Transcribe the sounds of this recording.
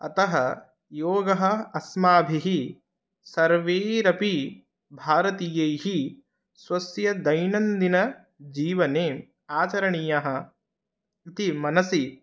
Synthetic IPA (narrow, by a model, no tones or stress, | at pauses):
ɐ̰t̪ɐɦɐ | joːɡɐɦɐ̆ɐsmaːbʱiɦi | sɐɾʋeːɾɐpi | bʱaːɾɐt̪ijɐjɦi | sʋɐsjɐd̪ɐjnɐnd̪inɐ | d͡ʒiːʋɐneː | aːt͡ʃɐɾɐɳijɐɦɐ̆ | it̪imɐnɐsi